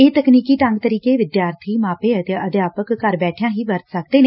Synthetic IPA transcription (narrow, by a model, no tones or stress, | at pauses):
eːt̪əkniːkiːʈə̃ŋɡt̪əɾiːkeːʋɪd̪jaːɾt̪ʰiːmaːpeːət̪eəd̪jaːpəkːəɾbɛːʈʰjãːɦiːbəɾt̪səkd̪eːne